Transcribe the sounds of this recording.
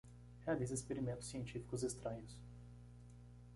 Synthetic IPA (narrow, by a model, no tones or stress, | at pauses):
ɛad̪ezespeɾimẽnt̪ʊ̥siẽnt͡ʃifi̥kʊzest̪ɾɐ̃ɲʊs